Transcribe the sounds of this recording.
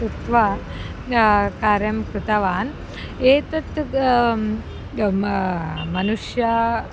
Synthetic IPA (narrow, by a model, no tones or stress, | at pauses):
ut̪ʋa | kaːɾjɐmkɾut̪ɐʋaːn | eːt̪ɐt̪ | mɐnuʂjɐ